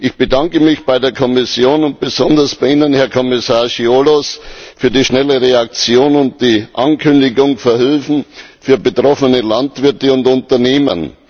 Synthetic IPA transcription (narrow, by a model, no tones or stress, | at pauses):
ʔɪçb̥ədaŋkəmɪçb̥aɪdeːɐkʰɔmɪsjoːnʊnt̚b̥əzɔndɐsb̥aɪiːnənhɛɐkʰɔmɪsaːɐʃiolosfyːɐdiːʃnɛləʁeak̚t͡sjoːnʊnt̚d̥iːʔankʰʏndɪɡʊŋfɛɐhɪlfn̩fyːɐbətʁ̥ɔfənəlantv̥ɪɐtəʊntʊntɐneːmə̰n